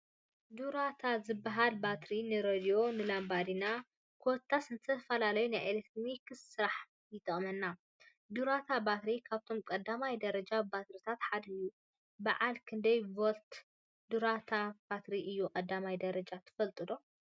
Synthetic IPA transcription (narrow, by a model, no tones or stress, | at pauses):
d̪uɾat̪ʰazɨbːaɦalbat̪ɾinɨɾod̪io̞nɨlambad̪ina | kʰot̪ʰːasɨnt̪ʰɐfɐlalɐjunajʔelet̪ɾomikʰɨssɨɾaħ | jɪt̪ʼɐχʼmɐnːa | d̪uɾat̪ʰabat̪ɾikʰaβt̪ʰo̞mkʼɐd̪ːamajd̪ɐɾɐd͡ʒabat̪ɾit̪ʰat̪ħad̪ɨjːu | baʕalkʰɨnd̪ɐjvolt̪ | d̪uɾat̪ʰab̥at̪ɾiʔɨjːukʼɐd̪ːamajd̪ɐɾɐd͡ʒat̪ʰɨ̥fɐlt̪ʼɨdo̞